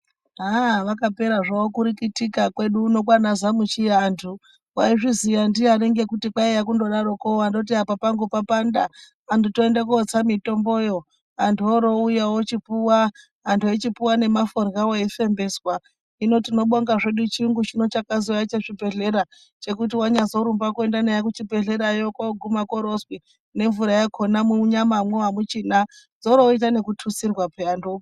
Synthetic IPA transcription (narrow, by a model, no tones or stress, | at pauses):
ɦaʋakape̞ɾaʐaokuɾikitikakwe̞ɗuːno̞k̬wanazamut͡ʃijantʰu | waiʐizijandiaɾeŋɡe̞kutikwaejakundo̞ɗaɾokowando̞t̬iapapaŋɡupapandaː | ntʰuto̞e̞ndakuot͡samito̞mbo̞jo̞ | antuoɾo̞ujawot͡ʃipuwaː | ntʰuet͡ʃipuwane̞maforɡawoefe̞mbe̞swa | ino̞tino̞ɓoŋɡaʐe̞ɗut͡ʃiŋɡut͡ʃino̞t͡ʃakazojat͡ʃeʐibʱe̞ɮe̞ɾa | t͡ʃe̞kut̬iwaɲazo̞ɾumbakue̞ndanejakut͡ʃibʱe̞ɮe̞ɾajokoɡʱumakoɾoswi | ne̞ɱvuɾajakʰonamuɲamamwewamut͡ʃiːna | d͡zo̞ɾo̞it̬ane̞kutʰusirwapeando